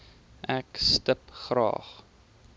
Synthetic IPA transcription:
ʔækstəpχrɑ̰ːχ

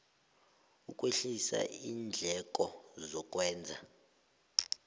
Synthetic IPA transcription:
ukʼweɬisa̰iːnd͡ɮʱɛkʼɔzɔk̬ʼwɛːnd͡zʱa

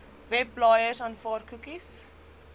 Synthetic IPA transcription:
vɛblɑjərsɐnfɑːrkukis

